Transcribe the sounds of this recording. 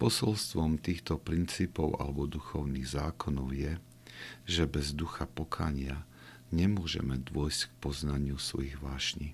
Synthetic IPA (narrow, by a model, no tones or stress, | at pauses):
pɔsɔlst̪ʋɔmt̪iːxt̪ɔpɾint͡siːpɔʊa̰lɛbɔd̪uxɔʊniːɣzaːkɔnɔʊjɛ | ʒɛbɛzd̪uxapɔkʰa̰ːɲɪa | ɲɛmʊɔʒɛ̰mɛd̪ʊɔjsck̚pɔznaɲɪusʋɔ̰jiɣʋaːʃɲi